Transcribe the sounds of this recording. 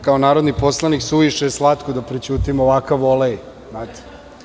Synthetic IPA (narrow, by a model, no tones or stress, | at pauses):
kaonaːɾod̪nipo̞slˠaniksuiʃeslat̪kod̪apɾet͡ɕuːt̪imoʋakaʋoleji | znaːt̪e̥